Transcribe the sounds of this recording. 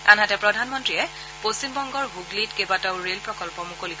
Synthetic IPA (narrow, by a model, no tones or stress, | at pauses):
a̰nɦatɛpɹɔdʱanmɔntɹiɛ | posimbɔŋɡɔɹɦuɡlitkebataʊɹelpɹɔkɔlpɔmukoliɦ